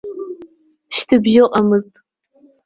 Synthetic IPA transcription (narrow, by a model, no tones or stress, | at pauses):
ʃtʰɨbʒɪqʼamɨztʼ